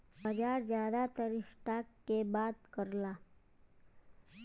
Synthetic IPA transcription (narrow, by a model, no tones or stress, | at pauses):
bəd͡ʒaːɾzjaːd̪at̪əɾisʈakːebaːd̪kəɾlaː